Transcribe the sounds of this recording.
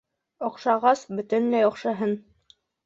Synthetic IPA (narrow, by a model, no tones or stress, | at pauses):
oqʃɑʁɑsbɵ̆t̪ɘnlæjɒqʃɤ̆ɦɤn